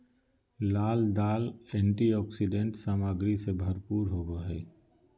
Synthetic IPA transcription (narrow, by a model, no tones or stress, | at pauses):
laːld̪aːlɛ̃ːɳʈiɔːksiɖẽɳʈsaːmaːɡɾisebʱəɾpuːɾɦoːɡoɦɛː